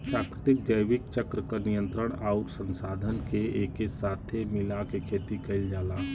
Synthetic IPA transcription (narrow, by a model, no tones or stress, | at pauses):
pɾaːkɾɪt̪ɪk̚d͡ʒəjʋɪkt͡ʃəkɾəkanijə̃nt̪ɾəɽ̃aːʊɾsə̃nsaːd̪ʱənkeeːkesaːt̪ʰemɪlakekʰeːt̪ikɐɪld͡ʒaːlaː